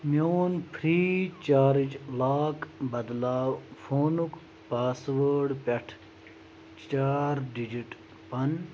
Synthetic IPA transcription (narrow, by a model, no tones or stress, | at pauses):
mjoːnpʰɾiːt͡ʃaːɾid͡ʒlaːkbɐd̪laːwfʰoːnuk | paːsʋəːɖpʲɐʈʰ | t͡ʃaːɾɖid͡ʑiʈ | pɐn